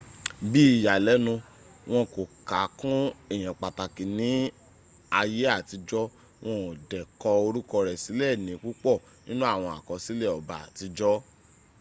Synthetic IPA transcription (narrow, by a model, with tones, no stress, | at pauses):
bi˦i˨ja˨lɛ˨˦nũ˧ | w̃ɔ̃˧ko˨ka˨˦kũ˦ɛ˦˨j̃ã˨k͡pa˨ta˨kĩ˨nĩ˨˦ | a˧je˦a˦˨ti˧d͡ʒɔ˦ | w̃ɔ̃˧ɔ˨dɛ˨kɔ˧o˧ɾu˦kɔ˧ɾɛ˨si˨˦lɛ˦˨nĩ˨˦ku˦k͡pɔ˦˨ | nĩ˦nũ˦a˦˨w̃ɔ̃˧a̰˨kɔ̃˨˧si˦lɛ˦˨ɔ˨ba˨a̰˨ti˧d͡ʒɔ˦